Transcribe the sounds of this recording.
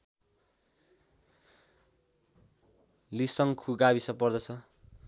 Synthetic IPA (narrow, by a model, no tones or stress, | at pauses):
lisʌŋkʰuɡabisʌpʌrd̪ʌt͡sʰʌ